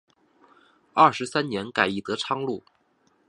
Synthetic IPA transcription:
ɐ˥˩ʂɻ̩˧˥sa˥nnjɛ˧˥nka˨˩ɪi˥˩t̪ɤ˧˥ʈ͡ʂʰɑ˥ŋlu˥˩

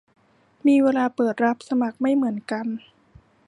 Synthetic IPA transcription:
miː˧weː˧laː˧pɤː˨˩t̪̚ɾa˦˥p̚sa˧ma˨˩k̚ma˥˩jmɯ˩˦ənka˧n

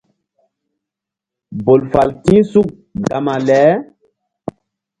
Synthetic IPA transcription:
bo˨lfa˨lkĩ˦su˦k̚ | ɡa˨ma˨lɛ˨˦

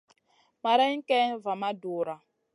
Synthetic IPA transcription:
ma˨ɾa˦ŋ̩˦kɛ˦va˨ma˦duː˨ɾa˨

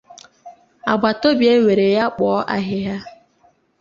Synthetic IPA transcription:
a̰˨ɡ͡ba˨to˦bje˦we˨ɾe˨ja˦k͡pɔ˨˦ʔa̰˨ɦɪ˦ɦa˦

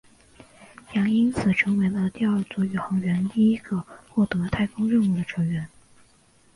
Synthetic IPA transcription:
jɑ˧˥ŋi˥nt͡sʰɹ̩˨˩ʈ͡ʂʰɤ˧˥ŋwe˧˥ɪlə˧t̪i˥˧ɐ˞˥˧t͡swɔ˥˩y˨˩xɑ˧˥ŋɥɛ˧˥nt̪i˥˩i˥ɡ̥ə˧xwɔ˥˩t̪ɤ˧˥t̪ʰa˥˩ɪkʊ˥ŋɻə˥˧nu˥˩d̪ə˩ʈ͡ʂʰɤ˧˥ŋɥɛ˧˥n

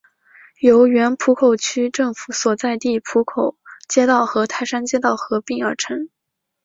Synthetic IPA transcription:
jo˧˥ʊɥɛ˧˥npʰu˧˥kʰo˨˩ʊt͡ɕʰy˥ʈ͡ʂɤ˥˩ŋfu˧˥swɔ˨˩t͡sa˥˧ɪt̪i˥˩pʰu˧˥kʰo˨˩ʊt͡ɕjɛ˥t̪ɑ˥˩ʊxɤ˧˥t̪ʰa˥˩ɪʂa˥nt͡ɕjɛ˥t̪ɑ˥˩ʊxɤ˧˥pi˥˩ŋə˞˧˥ʈ͡ʂʰɤ˧˥ŋ

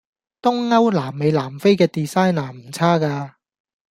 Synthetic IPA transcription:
t̪ʊ˥ŋːɐ˥wlaː˨˩mːe˨˧jlaː˨˩mfe˥jkɛː˧t̪iː˨saː˥jnaː˨˩m̩˨˩t͡sʰaː˥kaː˧

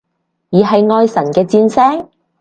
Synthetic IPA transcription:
jiː˨˩ɦɐ˨jŋɔː˧jsɐ˨˩nkɛː˧t͡siː˧nsɛː˥ŋ

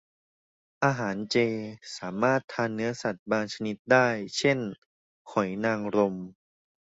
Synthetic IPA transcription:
ʔaː˧ɦaː˩˦nt͡ɕeː˧saː˩˦maː˥˩t̪ʰːaː˧nːɯ˦˥ɐsa˨˩t̪̚baː˧ŋt͡ɕʰa˧ni˦˥t̪̚daː˥˩jt͡ɕʰe˥˩n | kʰɔ˨˩˦jnaː˧ŋɾo˧m

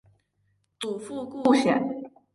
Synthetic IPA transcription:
t̪u˨˩fu˥˧ku˥˩ɕɥɛ̰˨˩˦n

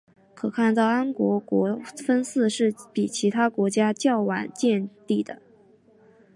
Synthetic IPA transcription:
kʰɤ˨˩kʰa˥˧nt̪ɑ˥˩ʊa˥nkwɔ˧˥kwɔ˧˥fə˥nsɹ̩˥˧ʂɻ̩˥˩pi˨˩t͡ɕʰi˧˥t̪ʰa˥kwɔ˧˥t͡ɕja˥t͡ɕjɑ˥˩ʊwa˨˩˦nt͡ɕjɛ˥˧nt̪i˥˩d̪ə̰˩

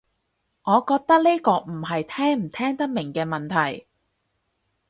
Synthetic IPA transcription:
ŋɔː˨˧kɔː˧k̚t̪ɐ˥k̚ne˥jkɔː˧m̩˨˩ɦɐ˨jt̪ʰɛː˥ŋm̩˨˩t̪ʰɛː˥ŋt̪ɐ˥k̚mɪ˨˩ŋkɛː˧mɐ˨nt̪ʰɐ˨˩j

